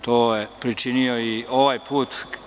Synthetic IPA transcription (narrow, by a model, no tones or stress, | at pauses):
t̪oːjepɾit͡ʃinio̞iʔoʋajpʰuːt̪